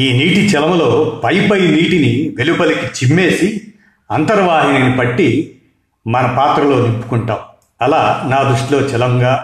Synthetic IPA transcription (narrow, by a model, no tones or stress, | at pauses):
iːniːʈit͡ʃɛlɐmlo̞ːpɐjpɐjniːʈiniʋe̞lupɐlikit͡ʃimːe̞ːsi | ɐnt̪ɐɾɐʋaːɦininipɐʈːi | mɐnɐpaːt̪ɾɐlo̞ːnimpːu̥kuɳʈaːm | ɐlaːnaːd̪ɾuʂʈlo̞ːt͡ʃɛlɐŋɡaː